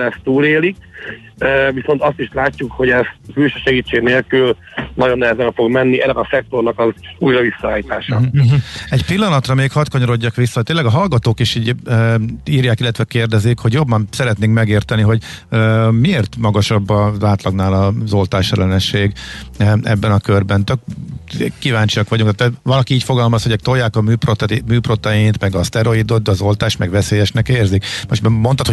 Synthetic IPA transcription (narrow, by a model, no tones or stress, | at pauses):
ɛst̪t̪uːleːlik | øviso̞nt̪ɒst̪iʃlaːcːukho̞ɟɛst̪mylʃøʃɛɡiːt͡ʃːeːɡneːlkyl | nɒɟo̞nːɛɦɛzɛnfo̞ɡmɛnːiɛnːɛɒsɛk̚t̪o̞rnɒkɒzuːjɾɒvisːɒaːjit̪aːʃɒ̰ | ɛcpilːɒnɒt̪rɒmeːkhɒt̪kɒɲoɾo̞ɟːɒkʋisːɒt̪eːnlːɛɡɒɦɒlɡɒt̪oːkiʃiːɟ | iːrjaːkilːɛt̪ʋɛkeːrd̪ɛzikho̞ɟjo̞bːɒnsɛɾɛt̪neːŋkmɛɡeːrt̪ɛniɦo̞ɟ | mieːrt̪mɒɡɒʃɒbːɒzaːt̪lɒɡnaːlɒzo̞lt̪aːʃɛlɛnɛʃeːɡ | ɛ̰bːɛnɒkørbɛnt̪øk | kːivaːɲt͡ʃiɒkʋɒɟuŋkt̪aːt̪vɒlɒkiiːcfo̞ɡɒlmɒsho̞ɟɛk̚t̪ojːaːkɒmyːprot̪myːpro̞t̪ɛjint̪mɛɡɒst̪ɛɾo̞id̪o̞d̪ːɒzo̞lt̪aːʃmɛɡʋɛseːjɛʃnɛkeːrzikmoʃt̪ɛmo̞nt̪ɒt̪ho